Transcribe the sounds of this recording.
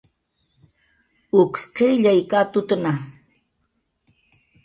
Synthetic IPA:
ʊkqeʎajkat̪ʊt̪na

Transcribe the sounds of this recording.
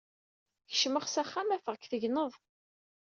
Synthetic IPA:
çə̥ʃməχsæχːæmæfəʁkθəʝnəðˤ

